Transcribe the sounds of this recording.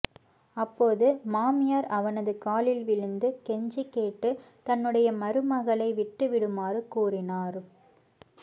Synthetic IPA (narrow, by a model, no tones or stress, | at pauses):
ɐpːoːðɯmaːmɪjɐɾɐʋɐnɐðɯkaːlɪlʋɪɻɯnd̪ɯkɛɲd͡ʒikːeːʈːɯ | t̪ɐnːɯɽɐjɐmɐɾɯmɐɣɐɭɐɪʋɪʈːɯʋɪɽɯmaːɾɯkuːrɪnaːɾ